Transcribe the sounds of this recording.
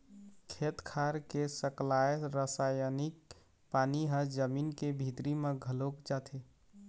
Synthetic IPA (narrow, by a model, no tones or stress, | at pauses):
kʰet̪kʰaɾkesəklajɾəsajənik̚ | paniɦəd͡ʒəminkebʱit̪ɾimeɡʱəlokd͡ʒat̪ʰe